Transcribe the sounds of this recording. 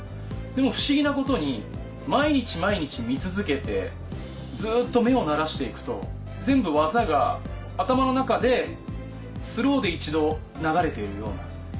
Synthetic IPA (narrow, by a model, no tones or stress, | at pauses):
d̪̥e̞mo̞ɸɯ̟̥ɕiɡʲinako̞t̪o̞ɲ̟i | maiɲ̟it͡ɕimaiɲ̟it͡ɕimʲit͡sɨzɨke̞t̪e̞ | d͡zɨːt̪ːo̞me̞o̞naɾaɕi̥t̪e̞ikɯ̟̥t̪o̞ | d͡zẽ̞mbɯ̟βazaɡa | at̪amano̞nakad̪e̞ | sɨɾo̞ːd̪e̞it͡ɕid̪o̞ | naɡaɾe̞t̪e̞iɾɯ̟jo̞̰ːna̰